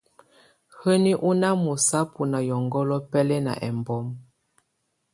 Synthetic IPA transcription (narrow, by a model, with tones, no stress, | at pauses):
hə˦ni˦ʔu˦na˦mu˨sa˦pu˨na˨jɔ˨ŋɡɔ˦lɔ˦pɛ˦lɛ˦na̰˨ʔɛ̰˨mbɔ˦m